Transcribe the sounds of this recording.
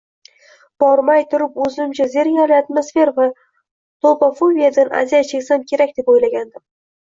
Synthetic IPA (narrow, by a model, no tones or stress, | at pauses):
b̥ɒɾmajt̪ʰʊɾɪpɵzɪmt͡ʃʰaze̞ɾŋʲalɪat̪mosfe̞ɾva | t̪ʰopafobʲijad̪ana̰zijat͡ʃʰekʲsamkʲʰe̞ɾakʲd̪̥e̞pojlaɡʲand̪ɪm